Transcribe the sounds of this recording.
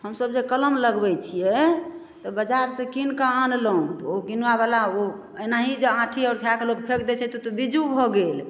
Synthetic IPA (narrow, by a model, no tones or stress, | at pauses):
həmsəb̚d͡ʒekələmləɡbɛt͡ʃʰijɛ | t̪ɔbəd͡ʒaɾsə̃kinkaanlɔũt̪oɡinabalao | ənaɦid͡ʒeãʈʰiaʊɾt̪ʰijakelok̚pʰekd̪ɛt͡ʃʰɛt̪ot̪obid͡ʒubʱɔɡel